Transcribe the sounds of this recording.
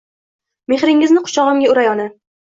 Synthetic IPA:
me̞χɾɪŋɪznɪqʰʊ̥t͡ʃɒʁɨmɡʲaʊɾajɒna

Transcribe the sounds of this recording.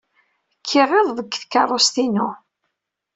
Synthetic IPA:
kʰːɪʁeðˤðˤəkːθkːɑrˤːost̪inʊ

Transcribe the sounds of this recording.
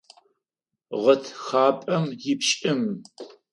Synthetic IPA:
ʁɐtʰxaːpʼɐmjɪpɕʼɪm

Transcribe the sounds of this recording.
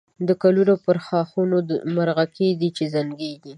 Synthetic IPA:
d̪əkalunopəɾxɑxunod̪əmaɾɣaked̪it͡ʃezaŋɡeɡi

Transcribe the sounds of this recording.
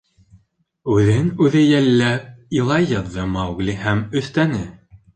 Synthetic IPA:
ʉðɘnʉðɘjælːæilˠɑjɑðːɤmɑwɡlʲihæmɵ̆θt̪ænɘ

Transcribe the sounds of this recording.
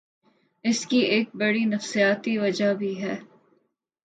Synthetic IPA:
ɪskieːk̚bɐɽinɐfsijaːt̪iʋɐd͡ʒabʱiɦɛː

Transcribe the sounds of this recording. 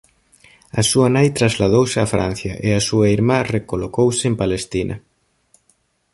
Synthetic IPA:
ɐsuɐnajt̪ɾazlaðowsɪafɾa̰n̟θjɐ̰ʔeɐsuɐiɾmarekolokowsɪempalest̪inʔɐ̰

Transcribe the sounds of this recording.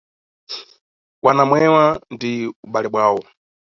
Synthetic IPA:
wanamwɛwandiuɓalɛɓwaːwɔ

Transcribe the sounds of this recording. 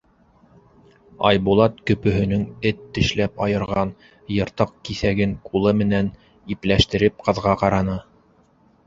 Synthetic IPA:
ɑ̰jbulˠɑt̪̚kɵ̆pɵ̆ɦɵ̆nɵŋɘt̪ːɘ̆ʃlæpɑjɤ̆ɾʁɑn | jɤ̆ɾt̪ɤq̚kiθæɡɘŋkulˠɤmɘ̆næn | iplæʃt̪ɘ̆ɾɘp̚qɤ̆ðʁɑqɑɾɑnɤ

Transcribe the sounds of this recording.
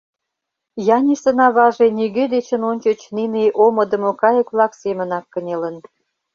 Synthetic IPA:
jɑnʲiʃt̪ə̆nɑβɑʒeniɣød̪et͡ɕənonʲt͡ɕət͡ɕnineʔomə̆d̪ə̆mokɑjə̆kβlɑksemənɑkːənʲelə̆n

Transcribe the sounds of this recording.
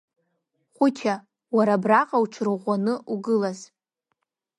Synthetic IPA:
χʷʊtʲʰa | waɾabraqʼawʈ͡ʂʰrɨʁʷanɨʔuɡɨlaz

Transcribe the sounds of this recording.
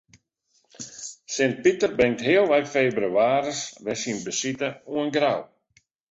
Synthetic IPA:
sɪnt̚pitərbɪŋtɦɪəlˠʋɛjfeːbɾəwaːɾəsʋɛsinbəsitəuənɡɾaw

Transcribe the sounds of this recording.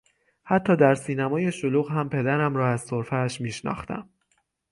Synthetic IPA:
hæt̪ʰːɒːd̪æɾsiːnæmɒːje̞ʃoluːɣhæmpʰe̞d̪æɾæmɾɒːæzsoɾfæːʃmiːʃnɒ̰ːxt̪æ̰m

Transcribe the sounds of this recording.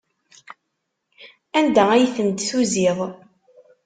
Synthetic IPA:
ænd̪ææjθənd̪θuziðˤ

